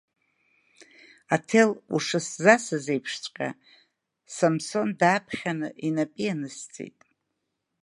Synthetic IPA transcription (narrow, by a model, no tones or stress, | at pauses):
atʰe̞lṵʂɨszasɨzejpʰʂt͡sʷʼqʲʼa̰ | samso̞ndaːpʰχʲanɨʔinapʼianɨst͡sʼḛjtʼ